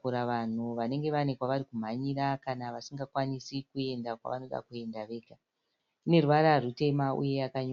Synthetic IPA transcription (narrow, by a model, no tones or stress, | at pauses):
uɾaʋan̤uʋane̞ŋɡe̞ʋane̞kwaʋaɾikum̤aɲiɾakanaʋasiŋɡakwanisikue̞ndakwa̰ʋano̞ɗa̰kue̞ndaʋe̞ːɡʱa | ine̞ruʋaɾarute̞maṵje̞akaɲ